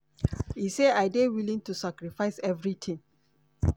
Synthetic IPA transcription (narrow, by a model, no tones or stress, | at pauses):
iseaɪdewilĩŋtusakɾifaɪsɛvɹitʰĩŋ